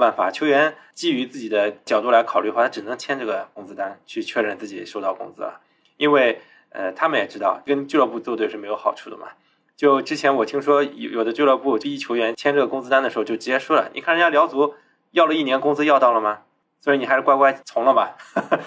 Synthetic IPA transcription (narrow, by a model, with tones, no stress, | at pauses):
pa˥˩nfa̰˨˩t͡ɕʰjo˧˥ʊɥɛ˧˥nt͡ɕi˥˩y˧˥t͡sɹ̩˥˩t͡ɕi˨˩d̪ə˦t͡ɕjɑ˨˩t̪u˥˩la˧˥ɪkʰɑ˨˩ʊly˥˧xwa˥˩a˥ʈ͡ʂɻ̩˨˩nɤ˧˥ŋt͡ɕʰjɛ˥nʈ͡ʂɤ˥˩ɡə˩kʊ˥ŋt͡sɹ̩˥t̪a˥nt͡ɕʰy˥˧t͡ɕʰɥɛ˥˧ɻə˥˧nt͡sɹ̩˥˩t͡ɕi˨˩ʂo˥ʊt̪ɑ˥˩ʊkʊ̰˥ŋt͡sɹ̩̰˥ɐ̰˨˩ | i˥nwe˥˩ɪ | ə̰˧t̪ʰa˥mə˨njɛ˨˩ʈ͡ʂɻ̩˥t̪ɑ˥˩ʊkə˥nt͡ɕlə˥˧p̬u˥˧t͡swɔ˥˧t̪we˧ɪʂɻ̩˥˩me˧˥ɪjo˧˥ʊxɑ˨˩ʊʈ͡ʂʰu˥˩d̪ə̰˩mɐ̰˩ | t͡ɕjo˥˩ʊʈ͡ʂɻ̩˥t͡ɕʰjɛ˧˥nwɔ˨˩t̪ʰi˥ŋʂwɔ˥jjo˨˩d̪ə˦t͡ɕlə˥˧pu˥˩o˨˩t͡ɕi˥˧i˥t͡ɕʰjo˧˥ɥɛ˧˥nt͡ɕʰjɛ˥nʈ͡ʂɤ˥˩ɡə˩kʊ˥ŋt͡sɹ̩˥t̪a˥nd̪əʂxt͡ɕjo˥˩ʊɻ̩˧˥jɛ˥ʂwɔ˥lə̰˩ni˨˩kʰa˥˩nɻjljɑ˧˥ʊt͡su˧˥ | jɑ˥˩ʊlə˩i˥˩njɛ˧˥nkʊ˥ŋt͡sɹ̩˥jɑ˥˧ʊt̪ɑ˥˩lə˩mɐ˩ | swɔ˧˥i˧˥ni˩a˧˥ɻ̩˥˩kwa˥ɪkwa˥ɪt͡sʰʊ˧˥ŋlə˧mɐ˨˩